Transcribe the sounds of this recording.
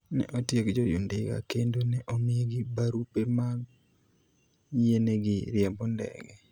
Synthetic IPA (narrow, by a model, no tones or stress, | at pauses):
nɛ̰ʔotjekd͡ʒojṵndɪɡa̰kendonɛʔomɪeɡibaɾupemaɡ | jeneɡɪɾɪɛmbɔndɛ̰ɡɛ